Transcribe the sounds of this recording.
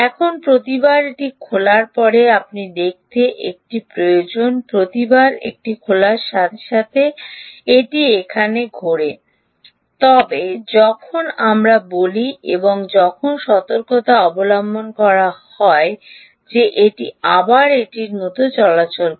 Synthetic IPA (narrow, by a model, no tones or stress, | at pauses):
ɛkʰonpɾot̪ibaɾeʈikʰolaɾpɔɾeapnid̪ek̚t̪eʔek̚ʈipɾojod͡ʑonpɾot̪ibaɾḛk̚ʈikʰolaɾʃat̪ʰe̥ʃat̪ʰeeʈiekʰaneɡʱoɾe | t̪ɔbed͡ʑɔkʰonamɾaboliḛboŋd͡ʑɔkʰonʃɔt̪oɾkot̪aɔbolambʱonkɔɾahɔe | d͡ʑeʔeʈiabaɾeʈiɾnot̪ot͡ɕɔlat͡ɕol